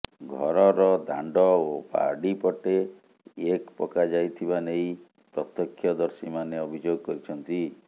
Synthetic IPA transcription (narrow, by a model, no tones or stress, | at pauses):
ɡʱɔɾɔɾɔd̪ʱaɳɖɔopa̰ɾɖipɔʈe | ekpɔkad͡ʒajt̪ʰibanej̃ | pɾɔt̪ɔkʰːjɔd̪ɔɾsimaneɔbʱid͡ʒoɡɔkɔɾit͡ʃʰɔnt̪i